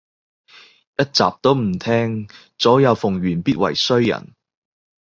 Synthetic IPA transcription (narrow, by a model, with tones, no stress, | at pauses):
jɐ˥t̚t͡sa̰ː˨p̚t̪o˥wm̩˨˩t̪ʰɛː˥ŋ | t͡sɔː˨˥jɐ˨˧wfʊ˨˩ŋɥyː˨˩npiː˥t̚wɐ̰˨˩jsɵ˥ɥjɐ̰˨˩n